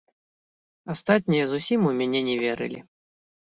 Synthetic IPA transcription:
ast̪at̪̚ʲnʲijɐzusʲimumʲanʲɛnʲɛvʲɛɾɨ̰lʲḭ

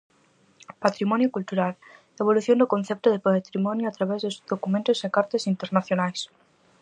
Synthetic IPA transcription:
pat̪ɾimɔnjokult̪uɾal | eβ̞oluθjõnd̪okonθɛp̚t̪ʊðepat̪ɾimɔnjʊat̪ɾaβɛzðosðokumẽnt̪ʊsekaɾt̪esint̪eɾnaθjonajs

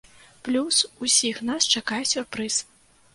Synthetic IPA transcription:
plʲususʲixnast͡ʂakajɛsʲurpɾɨs

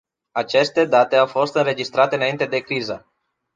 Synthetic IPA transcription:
at͡ʃe̞st̪e̞d̪at̪e̞awfo̞st̪ɨnɾe̞d͡ʒist̪ɾat̪e̞ɨnaint̪e̞d̪e̞kɾizə

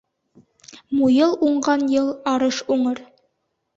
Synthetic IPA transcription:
mujɤlˠuɴɢɑnjɤlˠɑɾɤʃuɴɤɾ

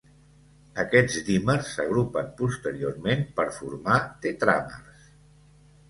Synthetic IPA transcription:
əkɛd͡zd̪imərsːəɣ̞ɾupənpust̪əɾioɾmempəɾfuɾmat̪et̪ɾa̰mərs

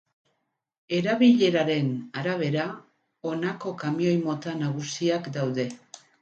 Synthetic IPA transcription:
e̞ɾaβiʎe̞ɾaɾe̞naɾaβ̞e̞ɾa | o̞nako̞kamio̞jmo̞t̪anaɣ̞usiakd̪awðe̞

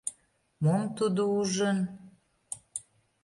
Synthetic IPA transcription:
momt̪ud̪ouʒən

